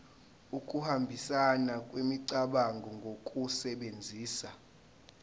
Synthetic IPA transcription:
ukʼuhambʱisanakʼwemiǀaɓaŋɡʱɔŋɡʱokʼusɛɓend͡zʱiːsa

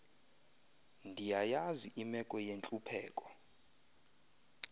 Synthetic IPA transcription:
ndʱijajaziʔimɛkʼɔjent͡ɬʼupʰɛːkʼɔ

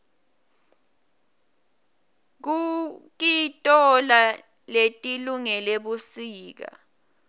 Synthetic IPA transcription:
k̬uk̬itʼɔla | letʼiluŋɛleɓusiːk̬a̰

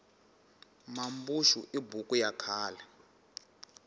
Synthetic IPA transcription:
mambuʃuʔibukʼujakʰaːla

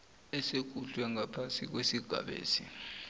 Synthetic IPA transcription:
ɛsek̬uɬwɛŋapʰansik̬wesiɡ̥ʱa̰ɓḛːsi

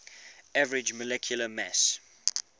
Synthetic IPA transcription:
ævəɹɪd͡ʒməlɛkʰjuləmɛs

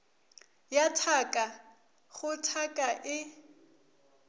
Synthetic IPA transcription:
jatʰakʼa | ɣʊtʰakʼaʔɪ

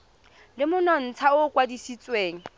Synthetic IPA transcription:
lɪmʊnɔn̩t͡sʰaʊkʼwadisit͡sʼweːŋ̩

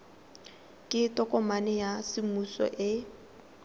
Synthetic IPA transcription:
kʼɪtʼɔkʼɔmanɪjasɪmusɔ̰ʔɪ

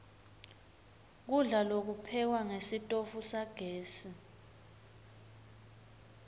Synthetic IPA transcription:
k̬uɮalok̬upʰɛk̬waŋesitʼofusaɡ̥ʱeːsi

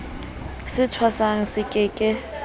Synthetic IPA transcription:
sɪtʰwasaŋ̩sɪkʼɪkʼɪ

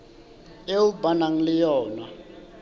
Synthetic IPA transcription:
eubanaŋ̩lɪjɔːna

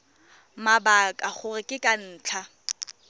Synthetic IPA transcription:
mabakʼaχʰʊrɪkʼɪkʼan̩ːt͡ɬʰa

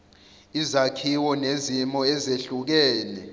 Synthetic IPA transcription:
izakʰiwɔnezimɔɛzeɬuk̬ɛːnɛ

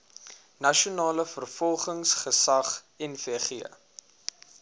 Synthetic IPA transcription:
nɐʃionɑːləfərfɔlˠχəŋsχəsɐχ | ɛnfeχiə̰

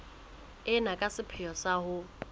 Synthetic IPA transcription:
ɪnakʼasɪpʰɪjɔsahʊ

